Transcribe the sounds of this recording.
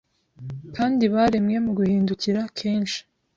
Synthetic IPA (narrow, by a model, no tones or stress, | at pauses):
kaːndiβaɾe̞mŋe̞muɡuhiːnduciɾakʰe̞ːnʃi̥